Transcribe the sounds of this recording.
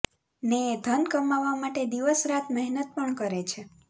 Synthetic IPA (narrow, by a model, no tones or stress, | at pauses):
neːd̪ʱənkəmaʋːamaʈed̪iʋəsɾat̪ʰmɛɦnət̪̚pəɳkəɾet͡ʃʰe